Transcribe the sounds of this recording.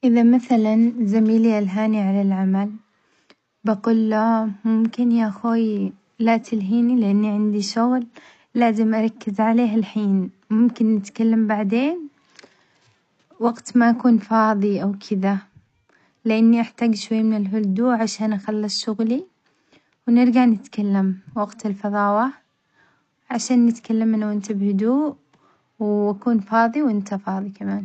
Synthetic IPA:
ʔɪðamaθalanzamiːliʔalɦaːniʕalalʕamal | baɡuːlːamʊmkɪnjaʔxoːj | lat̪ɪlɦiːnilɪʔanːiʕɪnd̪iʃʊɣlː | aːzɪmʔɑɾˤɑkːɪzʕaleːɦɪlħiːn | mʊmkɪnːɪt̪kalːambaʕd̪eːn | wɑɡt̪maʔakuːnfɑːðˤiʔawkʰɪða | lɪʔanːiʔaħt̪aːɡʃwajːmɪnɪlɦʊld̪uːʔʕaʃaːnʔaxalːɑsˤʃʊɣli | wnɪɾɡaʕnɪt̪kalːamwaɡt̪ɪlfɑðˤɑːwa | ʕaʃaːnːɪt̪kalːamːɪnawʔɪnt̪abhʊd̪uːʔ | wakuːnfɑːðˤiwʔɪnt̪ʰafɑːðˤikamaːn

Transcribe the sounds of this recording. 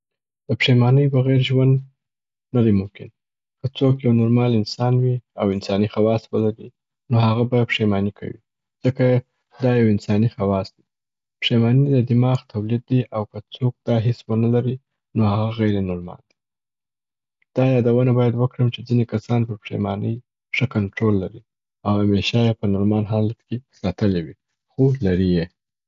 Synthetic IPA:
d̪̥əpʂemɑnəjbəɣeɾʒwand̪ | nad̪emʊmkɪn | kət͡sokjawnʊɾmɑlɪnsɑnwiawɪnsɑnixawɑswəlaɾi | nohaɣabapʂemɑnikʰa̰wḭ | d͡z̥əka | d̪ɑjawɪnsɑnixawɑsd̪e | pʂemɑnid̪əd̪ɪmɑxt̪ʰawlid̪̚ːiʔawkət͡sok̚d̪̥ɑɦɪswənalaɾi | nohaɣaɣajɾenʊɾmɑ̰nd̪i̥ | d̪̥ɑjɑd̪awənabɑjad̪wəkɽəmt͡ʃed͡zinekasɑnpəɾpʂḛmɑnəj | ʂəkanʈɾolːaɾi | awhameʃɑjepənʊɾmɑnɦalt̪kesɑt̪əlewi | xolaɾije

